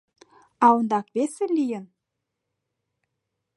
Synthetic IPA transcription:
ɑwɤ̆nd̪ɑkβesɘ̆lʲijə̆n

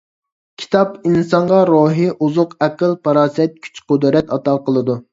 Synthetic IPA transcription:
kʲʰi̥t̪ʰɑpinsɑɴʁɑɾoɦiʔuzʊqɛqəlˠpʰɑɾɑːsɛt̪̚kʲʰy̥t͡ʃqʊd̪ɾɛt̪ɑt̪ɑqəlˠɨd̪u

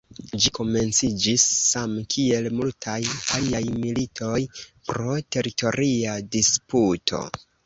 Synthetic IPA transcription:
d͡ʒiko̞me̞nt͡sid͡ʒisːamkʰie̞lmultʰajaliajmilitʰo̞jpɾo̞te̞ɾito̞ɾiadisputʰo̞̰

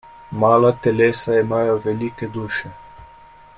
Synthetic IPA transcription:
maːlat̪ɛleːsaimaːjoʋɛliːkɛd̪uːʃɛ

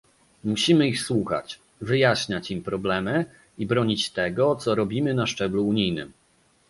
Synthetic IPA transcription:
muɕimɘixswuxa̰t͡ɕ | vɘjaɕɲat͡ɕimpɾɔblɛmɘ | ibɾɔɲit͡ɕt̪ɛɡɔt̪sɔɾɔbʲimɘnaʂt͡ʂɛbluːɲijnɘ̰m

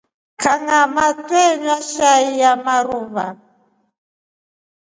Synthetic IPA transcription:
kʰaŋamatʼɛɲaʃaijamaɾuːβa

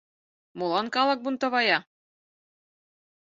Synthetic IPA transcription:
mulˠɑnkɑlˠɤk̚bunt̪ɤ̆βɑjɑ

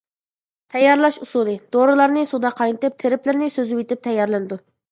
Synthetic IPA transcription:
t̪ʰɛjːɑɾlˠɑʃusulˠɨd̪̥oɾɨlˠɑɾnɨsud̪ɑqʰɑjnɨt̪ɨp̚t̪ʰeɾɪplɪɾnɪsøzɪwet̪ɪp̚t̪ʰɛjːɑɾlˠɨnɨd̪u

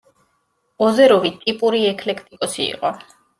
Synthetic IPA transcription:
ɔzɛɾɔvit̪ʼipʼuɾiɛkʰlɛkʰt̪ʼikʼɔsḭːqʼɔ

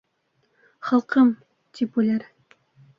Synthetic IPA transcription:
χɑlˠqɤm | t̪ʰipʉlæɾ

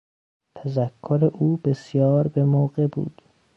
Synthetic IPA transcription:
t̪ʰæzækʰːoɾeʔuːbesjɒːɾbemoːɢe̞bṵːd̪̥

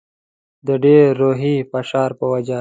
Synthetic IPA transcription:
d̪əɖeːɾːoːɦipɐʃɑːɾpəwɐd͡ʒa

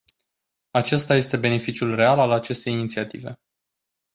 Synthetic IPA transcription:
at͡ʃe̞st̪aje̞st̪e̞be̞ne̞fit͡ʃijulre̞alalat͡ʃe̞st̪e̞jinit̪siat̪ḭve̞̰

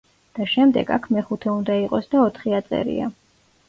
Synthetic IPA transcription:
d̪̥aʃɛmd̪ɛ̰ɡa̰kʰmɛχut̪ʰɛund̪aiqʼɔsd̪aɔt̪ʰχiat̪sʼɛ̰ɾḭa̰

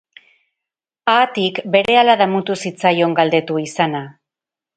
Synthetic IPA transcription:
aːt̪ikbe̞ɾe̞alaðamut̪usit͡sajo̞ŋɡald̪e̞t̪uisana

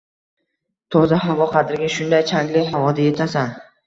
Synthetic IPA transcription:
t̪ʰɒzaɦavɒqʰɑd̪ɪɾɡʲaʃʊnd̪ajt͡ʃʰaŋlɪɦavɒd̪aje̞t̪ʰasan

